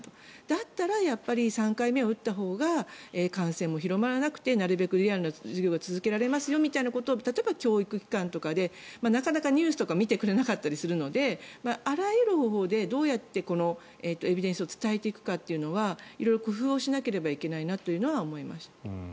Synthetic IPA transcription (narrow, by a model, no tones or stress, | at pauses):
t̪od̪̥at̪ːaɾajapːaɾʲisãŋkaime̞o̞ɯ̟t̪ːaɦo̞ːɡaeːkãɰ̃sẽ̞mːo̞çiɾo̞maɾanakɯ̟̥t̪e̞naɾɯ̟be̞kɯ̟ɾʲiaɾɯ̟noʑiɡʲo̞ːɡat͡sɨzɨke̞ɾaɾe̞masɨjo̞mʲit̪ainako̞t̪o̞ːt̪at̪o̞ebakʲo̞ːikɯ̟kʲi̥kãnt̪o̞kad̪e̞ | manakanakaɲ̟ʲɨːsɨ̥t̪o̞kamʲit̪e̞kɯ̟ɾe̞nakat̪ːaɾʲisɨɾɯ̟no̞d̪e̞maaɾajɯɾɯ̟ho̞ːɦo̞ːd̪e̞d̪o̞ːjat̪ːe̞ko̞no̞ | eːt̪ːo̞e̞bʲid̪ẽ̞ɰ̃s̬ɨo̞t͡sɨ̥t̪aet̪e̞ikɯ̟̥kat̪ːe̞jɯ̟no̞βaḭɾo̞ijɾo̞kɯ̟ɸɯ̟ːo̞ɕinake̞ɾe̞baike̞nainat̪ːo̞jɯ̟no̞βaomo̞ima̰ɕi̥t̪